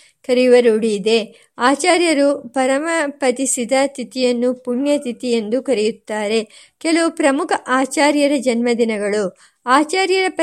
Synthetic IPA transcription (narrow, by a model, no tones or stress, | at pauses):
kɐɾijuʋɐɾuɽid̪e̞ | aːt͡ʃaːɾjɐɾupɐɾɐmɐpɐt̪isid̪ɐt̪it̪ijɐnːupuɳjɐt̪it̪ije̞nd̪ukɐɾijut̪ːaːɾe̞ | kɛlɐupɾɐmukʰɐʔaːt͡ʃaːɾjɐɾɐd͡ʒɐnmɐd̪inɐɡɐɭu | aːt͡ʃaːɾjɐɾɐp